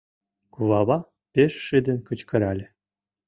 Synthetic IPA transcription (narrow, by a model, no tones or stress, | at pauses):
kuβɑβɑ | pʲeʃːid̪ɘ̆nʲkɤ̆t͡ɕkɤ̆ɾɑlʲɘ̆